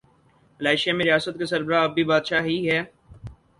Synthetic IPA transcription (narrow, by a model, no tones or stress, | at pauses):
ɪlaːɪʃemẽɾɪjaːsət̪̚kesɐɾbəɾaɐbʱːibaːd̪ʃaːɦiɦɛː